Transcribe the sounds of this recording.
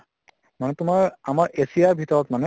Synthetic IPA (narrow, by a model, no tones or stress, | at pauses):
manɛtʊmaɹamaɹʔesijaɹbʱitɔɹɔtmanɛ